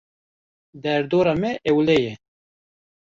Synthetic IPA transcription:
d̪ɛɾd̪oːɾɑːmɛʔɛwlɛjɛ

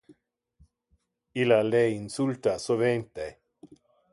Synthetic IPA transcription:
ilaleinsult̪asovent̪e

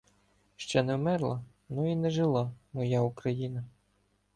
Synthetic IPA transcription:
ʃt͡ʃɛnɛwmɛrlˠɐ | nuinɛʒelˠɑmɔjaukɾɐjinɐ

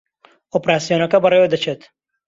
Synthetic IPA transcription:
opɾaːsijoːnɐkɐbɐrewed̪ɐt͡ʃʰet̪

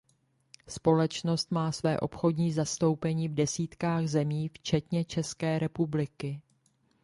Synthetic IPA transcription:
spo̞lɛt͡ʃno̞st̪maːsvɛːʔo̞pxo̞dɲiːzast̪o̞wpɛɲiːvdɛsiːt̪kaːɣzɛmiːft͡ʃɛt̪ɲɛt͡ʃɛskɛːɾɛpublɪkɪ

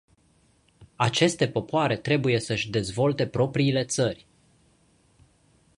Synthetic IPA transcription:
at͡ʃe̞st̪e̞po̞poaɾe̞t̪ɾe̞buje̞səʃʲd̪e̞zvo̞lt̪e̞pɾo̞pɾiːle̞t̪sərʲ

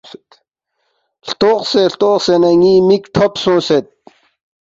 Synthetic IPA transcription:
ɬt̪ʊːqseːɬt̪ʊːχseːnaŋiːmikt̪ʰɔpsʊ̃ːset̪̚

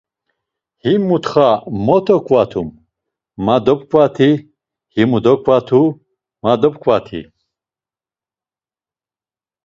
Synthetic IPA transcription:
himːut̪χamɔt̪ʰɔkʰʼvat̪ʰumː | ad̪ɔp̚kʼvat̪ʰi | himud̪ɔkʰʼvat̪ʰu | mad̪ɔpkʰʼvat̪ʰḭ

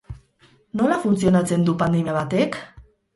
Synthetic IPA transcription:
no̞lafunt͡sio̞nat͡se̞nd̪upand̪emiaβ̞at̪e̞k

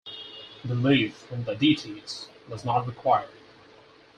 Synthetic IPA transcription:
bəlifɪ̃nðɨditʰitswʌznət̚ɹɨkʰw̥aɪə˞d

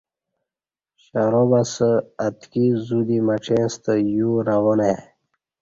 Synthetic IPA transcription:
ɕaɾobasəat̪kizud̪imaʈ͡ʂʰẽnst̪əjuɾawone

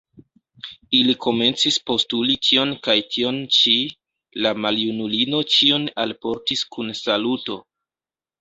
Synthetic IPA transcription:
ilikʰo̞me̞nt͡sispo̞stulitʰio̞nkajtʰio̞nt͡ʃi | lamaljunulino̞t͡ʃio̞nalpo̞ɾtiskunsaluto̞

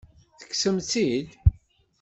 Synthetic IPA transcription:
θə̥kːsəmt͡sid̪

